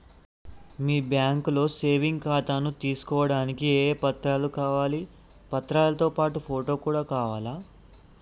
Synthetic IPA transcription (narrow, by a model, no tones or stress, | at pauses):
miːbjaːŋkulo̞ːseːʋiŋɡkaːt̪aːnut̪iːsu̥kɔːʋɐɽaːnikieːpɐt̪ɾaːlukaːʋaːli | pɐt̪ɾaːlɐt̪o̞ːpaːʈupʰoːʈo̞ːkuːɽaːkaːʋaːlaː